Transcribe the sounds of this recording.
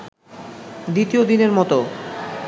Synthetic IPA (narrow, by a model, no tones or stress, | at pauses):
d̪it̪iod̪ineɾmɔt̪o